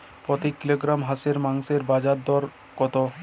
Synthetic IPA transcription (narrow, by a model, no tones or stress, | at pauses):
pɾot̪ikiloɡɾamɦaseɾmaŋseɾbad͡ʑad̪ɔɾ | kɔt̪o